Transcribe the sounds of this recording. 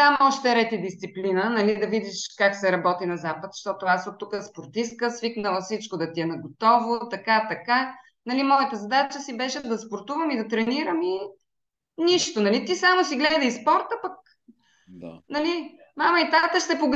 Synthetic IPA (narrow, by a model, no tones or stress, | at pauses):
t̪amɔʃt̪ɛɾɛt̪id̪ist̪siplinənɐlid̪ɐvid̪iʃkaksɛɾɐbɔt̪inɐzapət̪ʃt̪ɔt̪ʊasot̪ːukəspoɾt̪ist̪kəsviknəlˠəfsit͡ʃkod̪ɐt̪iɛnɐɡot̪ɔvot̪ɐkat̪ɐka | nɐlimɔjət̪əzɐd̪at͡ʃəsibɛʃɛd̪ɐspoɾt̪uvəmid̪ɐt̪ɾɛniɾəmi | niʃt̪onɐlit̪isamosiɡlɛd̪əispɔɾt̪əpɐk̚ | nɐli | mamɐit̪at̪əʃt̪ɛpoɡ